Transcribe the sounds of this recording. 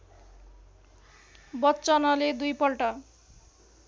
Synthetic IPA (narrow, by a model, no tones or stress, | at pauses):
bʌtːt͡sʌnʌled̪ujpʌlʈʌ